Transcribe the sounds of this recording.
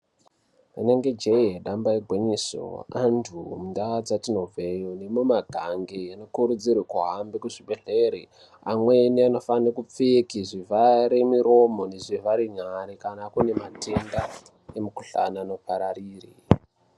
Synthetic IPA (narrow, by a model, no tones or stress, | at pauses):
aneŋɡe̞d͡ʒeiɦeɗambaeɡʱweɲiso̰antʰumundad͡zatino̞vʱejonemumaɡʱaŋɡejano̞kuɾud͡zirikuɦambikuʐiɓeɮe̞ɾi | amweniano̞fanekup͡fikiʐivaɾemiɾo̞mo̞neʐivaɾiɲaɾikanakune̞matʰe̞nda | emukuɬa̰naːno̞paɾariːri